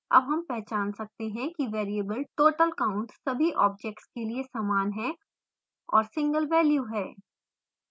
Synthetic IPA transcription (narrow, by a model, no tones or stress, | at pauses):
ɐ̰bɦɐmpɛɦt͡ʃaːnsɐk̚t̪eɦɛ̃kiʋeːɾiəbəlʈoːʈəlkaːʊ̃ɳʈsɐbʱiʔɔːb̚d͡ʒɛk̚ʈskeliesaːmaːnɦɛ̃ | ɔːɾsɪ̃ŋɡəlʋɛːljuɦɛː